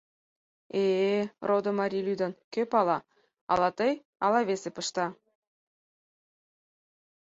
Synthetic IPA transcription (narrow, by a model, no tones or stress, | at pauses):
erʔod̪ŏmɑɾʲilʲyd̪ɑnkøpɑlˠɑ | ɑ̰lˠɑt̪ɤj | ɑlˠɑβʲesepɤ̆ʃt̪ɑ